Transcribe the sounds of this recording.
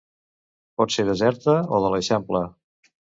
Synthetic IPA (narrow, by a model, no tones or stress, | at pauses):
pɔt̪seɾðəzɛɾt̪əoðələsɛmplə